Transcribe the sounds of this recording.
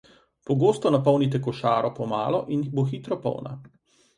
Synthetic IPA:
pɔɡoːst̪ɔnapɔwnit̪̬ɛkɔʃaːɾɔpɔma̰ːlɔʔinboxit̪ɾɔpɔ̰wna̰

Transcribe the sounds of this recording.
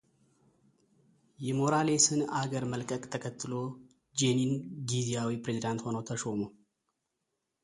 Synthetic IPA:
jɛmo̞ɾalesɨnaɡəɾməlkʼəkʼt̪ʰəkʰət̪ːɨlo̞ | d͡ʒeninɡizijawipɾezid̪ant̪ho̞nəwt̪ʰəʃomo

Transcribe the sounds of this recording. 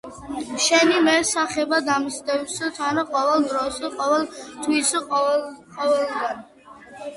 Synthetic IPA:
ʃɛnimɛɾsaχɛbad̪amst̪ɛwst̪ʰanaqʼɔvɛlˠd̪ɾɔsqʼɔvɛlˠt̪ʰwisqʼqʼɔvɛlɡan

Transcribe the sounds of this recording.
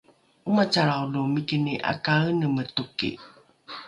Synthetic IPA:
umat͡ʃaɾawlomikiniʔa̰kanəmətukḭ

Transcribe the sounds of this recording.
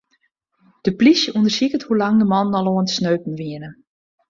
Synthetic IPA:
d̥əplisundərsikəthulaŋdəmɔndɔlˠoəntsnøːpn̩ʋiənə

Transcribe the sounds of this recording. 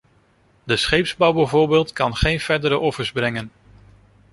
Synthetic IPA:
dəsχejpzbɑwbɛjvoːɹbeːlˠtkɑnχejnv̥ɛɹdəɾəʔɔfəɹzbrɛŋən

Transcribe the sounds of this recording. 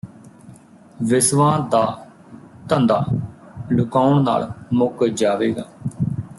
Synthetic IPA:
ʋɪsʋãːd̪aː | t̪ənd̪aːlʊkaːʊɳna̰ːlmʊkd͡ʒaːʋeːɡaː

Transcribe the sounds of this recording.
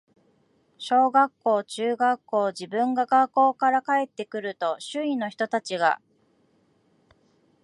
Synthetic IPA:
ɕo̞ːɡakːo̞ːt͡ɕɨːɡakːo̞ːd͡ʑibɯ̟̃ŋɡaɡakːo̞ːkaɾakae̞t̪ːe̞kɯ̟ɾɯ̟t̪o̞ɕɨĩno̞çi̥t̪o̞t̪at͡ɕiɡa̰

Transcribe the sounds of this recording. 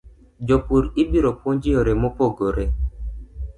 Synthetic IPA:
d͡ʒɔpuɾibiɾɔpwoɲd͡ʒioɾɛmopɔɡoɾɛ

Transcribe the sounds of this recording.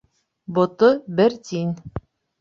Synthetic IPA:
bŏt̪obɘɾt̪inʲ

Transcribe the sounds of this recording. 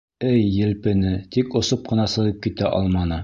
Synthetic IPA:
ɘjːɘ̆lpɘ̆nɘt̪ikŏsop̚qɤ̆nɑsɤ̆ʁɤp̚kit̪æʔɒ̰lˠmɑnɤ

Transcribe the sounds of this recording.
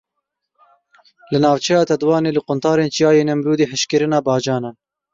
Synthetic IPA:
lɨnɑːvt͡ʃʰɛjɑːt̪ɛd̪wɑːneːlɨqʊnt̪ɑːɾeːnt͡ʃijɑːjeːnɛmɾuːd̪eːɦɨʃkɨɾɨnɑːbɑːd͡ʒɑːnɑː

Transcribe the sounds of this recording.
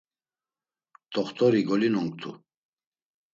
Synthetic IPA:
t̪ʰʼɔχt̪ʰɔɾiɡɔlinɔŋk̚t̪ʰṵ

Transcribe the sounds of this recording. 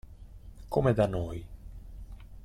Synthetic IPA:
komɛd̪anoj

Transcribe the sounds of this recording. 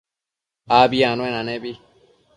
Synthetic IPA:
aːbiãːnõẽnãnebi

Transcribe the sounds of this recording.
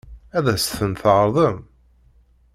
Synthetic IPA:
æðæsθənθʁɾˤðˤəm

